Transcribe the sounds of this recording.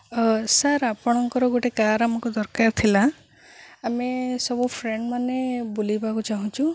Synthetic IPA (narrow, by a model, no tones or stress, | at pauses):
saɾapɔɽ̃ɔŋkɔɾɔɡoʈekaɾamɔkud̪ɔɾkaɾt̪ʰilaː | mesɔbupʰɾeɳɖmanebulibakut͡ʃaɦũt͡ʃʰu